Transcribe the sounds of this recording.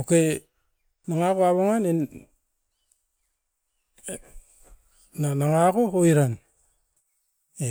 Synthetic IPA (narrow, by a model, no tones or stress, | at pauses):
oke | naŋakoaβoŋanen | nanaŋakooiɾan | e